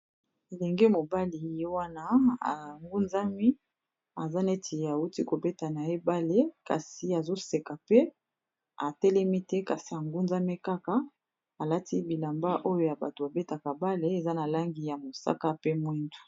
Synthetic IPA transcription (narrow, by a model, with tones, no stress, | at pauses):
e˨le˨ŋɡe˦mo˨ba˦li˨je˦wa˦na˦a̰˨ŋɡu˦nza˦mi˦ | a˨za˦ne˦tʰi˨a˨u˦ti˦ko˨be˦ta˨na˨e˦ba˦le˦ka̰˨si˨a˨zo˦se˨ka˨pɛ˦ | a˨tɛ˦lɛ˦mi˦tɛ˦ka˨si˨a˨ŋɡu˦nza˦mi˦ka˦ka˦ | a˨la˦tʰi˦bi˨la˨mba˦ʔo˦jo˦ja˨ba˨to˨a˨be˦ta˨ka˨ba˦le˦e˨za˦na˨la˦ŋɡi˨ja˨mo˨sa̰˦ka˦pe˦mwi˦ndu˨